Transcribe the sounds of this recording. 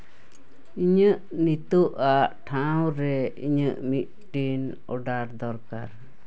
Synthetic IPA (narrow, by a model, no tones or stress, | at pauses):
iɲəʔ | nit̪uʔaʔʈʰawɾɛḭɲəʔmit̪̚ʈin | ɔ̰ɖaɾd̪ɔɾkaɾ